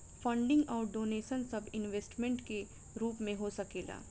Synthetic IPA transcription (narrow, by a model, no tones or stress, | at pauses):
fɐ̃ɳɖɪ̃ŋɡɔːɾɖoːneːʃənsɐbɪnʋeːsʈmẽɳʈke | ɾuːpmẽɦosɐkeːɡa̰ː